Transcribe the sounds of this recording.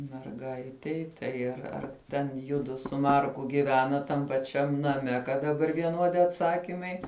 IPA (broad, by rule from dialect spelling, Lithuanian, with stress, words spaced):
mʲɛrˈɡɐɪtʲɛɪ tɐɪ ɐr ɐr ˈtʲɛn ˈjʊdʊ sʊ ˈmɐrkʊ ɡʲɪˈʋʲæːnɐt tɐm pɐˈt͡ʃʲɛm nɐˈmʲɛ kɐt dɐˈbɐr ʋʲiɛˈnuɔdʲɪ ɐtˈsɑːkʲɪmɐɪ